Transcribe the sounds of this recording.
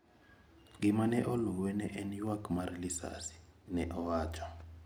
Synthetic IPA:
ɡimanɛʔoluwɛnɛʔeniwakmaɾilisa̰si̥nɛʔɔwaːt͡ʃʰʼɔ

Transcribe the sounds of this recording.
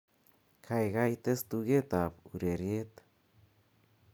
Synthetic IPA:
kʰajɣajt̪est̪uɡet̪apuɾeɾjet̪

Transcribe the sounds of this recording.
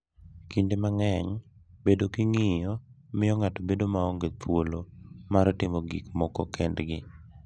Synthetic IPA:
kindemaŋɛɲbedokiŋɪjɔ | mɪɔŋatobedomaɔŋɡetwolomaɾɔtɪmɔɡḭkmɔkɔkɛndɡɪ

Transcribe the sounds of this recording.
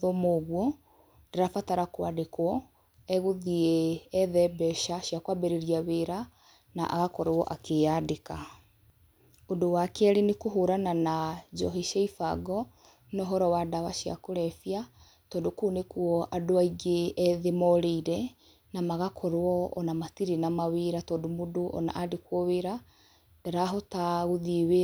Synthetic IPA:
ðɔmoːɣwɔ | ndeɾafataɾakwadekwɔ | ɛɣoðiɛːðɛbɛʃaɕjakwabɛɾeɾiaβeɾa | na̰ʔa̰ɣakɔɾɔʔakejadeka | odowakeɛɾenekoɦoɾananad͡ʒɔɦiʃeifa̰ɡɔ | nɔɦɔɾɔwadaβaʃia̰koɾɛfia | tɔːndokunekuɔʔadoaiɡeɛðemɔɾeiɾɛ | namaɣakʰɔɾwɔɔ̰namatiɾenamaweɾatɔːdomodoʔɔ̰na̰ʔadekwɔweɾa | d̥aɾaɦotaɣoðiewe

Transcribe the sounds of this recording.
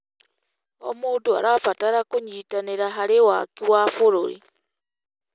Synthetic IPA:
o̰muːndoa̰ɾafataɾakoɲiːtaneɾaɦaɾewa̰kiwafoɾo̰ɾḭ

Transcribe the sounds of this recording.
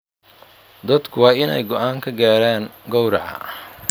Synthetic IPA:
d̪ɐd̪kʰʊwɑːɪnɛ̰jɡɔʔaːŋkʰɐɡaːɾaːŋɡɔwɾɐʕɐ̰

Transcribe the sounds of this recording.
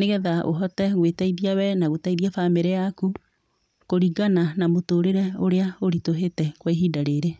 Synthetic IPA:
neɣɛðaʔo̰ɦɔtɛɣwetaiðiawɛnaɣotaiðiafameɾɛjaku | koɾiɡananamotoːɾeɾɛoɾeaoɾitoɦetɛkweɦiːdaɾeɾe

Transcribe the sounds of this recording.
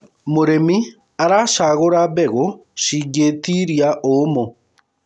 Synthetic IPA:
moɾemi | aɾaʃaɣoɾaβɛɣoʃiɡetiɾiaʔomo

